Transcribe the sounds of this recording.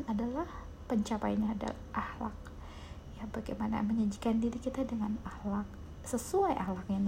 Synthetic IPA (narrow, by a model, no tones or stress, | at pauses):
nadalah | pəɲt͡ʃapa̰jɲaːda̰ | ʔahla̰k̚ | jabaɡa̰jmana̰məɲad͡ʒikandiɾikit̪adəŋanahlak̚ | səsuajʔa̰hlakjaŋ